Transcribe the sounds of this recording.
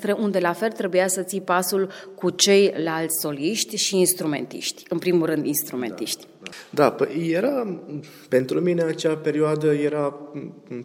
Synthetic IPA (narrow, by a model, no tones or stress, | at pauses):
t̪ɾeʔund̪e̞lafe̞lt̪ɾe̞bujasət̪sijpasulkut͡ʃe̞jlalt̪sʲso̞liʃt̪ʲʃiːnst̪ɾume̞̰nt̪ḭʃt̪ʲɨnpɾimulɾɨnd̪inst̪ɾume̞̰nt̪ḭʃt̪ʲ | d̪apəje̞ɾa | pe̞nt̪ɾumine̞at͡ʃape̞ɾioad̪əjeɾa